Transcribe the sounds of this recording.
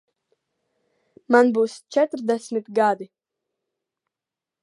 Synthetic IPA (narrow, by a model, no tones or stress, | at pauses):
manbuːst͡ʃɛt̪ɾd̪ɛsʲmit̪ɡad̪i